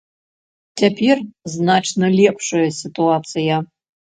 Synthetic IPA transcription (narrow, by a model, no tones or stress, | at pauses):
tʰʲɐpʲʰerznat͡ʂnɐlʲepʂɐjɐsʲit̪uat̪sɨjɐ